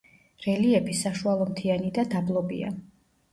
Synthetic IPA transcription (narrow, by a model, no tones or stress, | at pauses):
ɾɛliɛbisaʃualˠɔmt̪ʰianid̪ad̪ablˠɔbḭa̰